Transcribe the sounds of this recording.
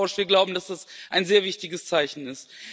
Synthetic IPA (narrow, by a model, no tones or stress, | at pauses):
ʊʃv̥iːɐɡlaʊbm̩d̥asd̥asʔaɪnzeːɐvɪçtɪɡəst͡saɪçn̩ɪst